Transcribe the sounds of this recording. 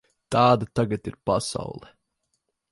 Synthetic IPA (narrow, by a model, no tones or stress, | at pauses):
t̪ɑːd̪at̪aɡat̪iɾpasɑ̰wlˠɛ